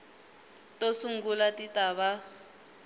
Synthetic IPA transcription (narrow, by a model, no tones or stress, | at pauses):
tosuŋ̩ɡulatitaβa